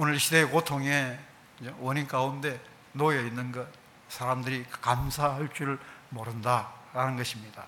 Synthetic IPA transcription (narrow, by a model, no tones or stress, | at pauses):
onɯɭɕʰide̞ːkotʰoŋe̞ | d͡ʑowʌnink͈aunde̞ | nojeinːɯnɡʌt̚ | sʰaɾamdɯɾikamsʰahʌɭt͡ɕ͈uɾɯɭmoɾɯndaɾanɯnɡʌɕʰimɲida̰